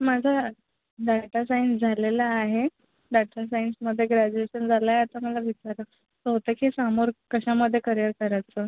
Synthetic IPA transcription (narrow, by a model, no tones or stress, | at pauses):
mad͡zʱa | ɖaʈasajnsd͡zʱalelaaɦe | ɖaʈas̬ainsməd̪ʱːjeɡɾad͡ʑueɕənd͡zʱalaeat̪aməlaʋit͡ɕaɾə | t̪əɦot̪əkisamoɾkəɕaməd̪ʱːjekəɾijəɾkəɾajt͡sə